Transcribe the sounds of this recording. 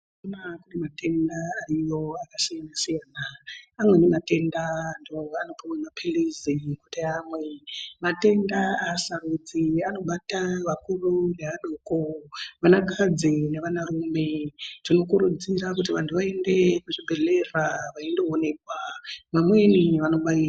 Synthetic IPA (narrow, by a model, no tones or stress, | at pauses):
onakunemate̞ndaːrijo̞akasijanasijaːnaːmwe̞nemate̞ndandoano̞pamwemapʰelizikuteamwe̞mate̞ndaaːsarud͡ziano̞ɓataʋakurune̞aɗoːkoʋanakad͡zineʋanaruːme̞tino̞kuɾud͡ziɾakutiʋantʰuʋae̞nde̞kuʐibʱe̞ɮe̞raʋaendeone̞kwaʋamweniʋano̞ɓaira